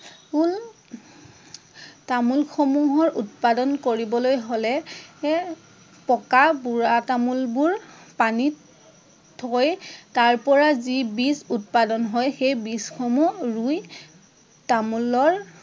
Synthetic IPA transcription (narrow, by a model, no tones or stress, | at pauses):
ul | tamulxʰɔmuɦɔɹʔut̚padɔnkoɹibɔlojɦolɛ | pɔkabuɹatamulbuɹpani | tʰɔjtaɹpɔɹazibisut̚padɔnɦɔjxejbisxʰɔmuɹuj | tamulɔɹ